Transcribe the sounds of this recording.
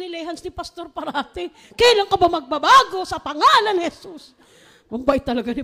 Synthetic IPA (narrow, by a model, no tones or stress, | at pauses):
nɪlɛhansnɪpɐst̪oɾpɐɾaːt̪ɪ | kɛjlaŋkɐbamɐɡ̚babaːɡo̞sɐpɐŋaːlɐnhɛsus | mɐmbaʔɪt̪ːɐlɐɡanɪ